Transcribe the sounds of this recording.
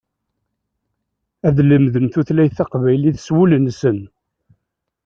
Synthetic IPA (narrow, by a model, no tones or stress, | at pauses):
æðləmðəmθuθlæjθɑqvæjliθswulənsən